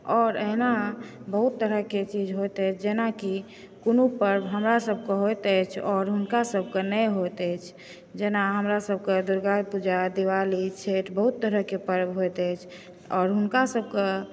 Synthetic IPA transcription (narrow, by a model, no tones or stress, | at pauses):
ɔːɾeɦnabəɦut̪ːəɾəket͡ʃid͡ʒʱɦojt̪ɛjt͡ʃʰd͡ʒenaki | konupəɾbɦəmɾasəb̚ʱkeɦojt̪əjt͡ʃʰɔːɾɦunkasəb̚ʱkenɛɦot̪ɛjt͡ʃʰ | d͡ʒenaɦəmɾasəb̚ʱked̪uɾɡaɾpud͡ʒad̪iʋalit͡ʃʰeʈbəɦut̪ːəɾəɦkepəɾbɦojt̪ɛt͡ʃʰ | ɔːɾɦunkasəb̚ke